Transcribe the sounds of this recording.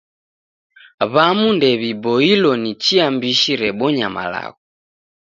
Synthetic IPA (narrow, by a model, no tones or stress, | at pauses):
βamundɛβibɔilɔnit͡ʃiambiʃiɾɛɓɔɲama̰la̰ɣɔ